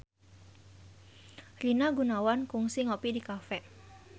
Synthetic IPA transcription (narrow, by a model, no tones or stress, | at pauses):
rinaɡunawankʊŋsiŋopidikafɛʔ